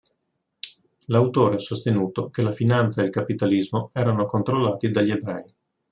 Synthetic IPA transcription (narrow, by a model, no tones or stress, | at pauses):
lawt̪oːɾeasːost̪enuːt̪ok̟elafinant̪saelkapit̪alizmoɛːɾanokont̪ɾolːaːt̪id̪aʎːiebɾɛi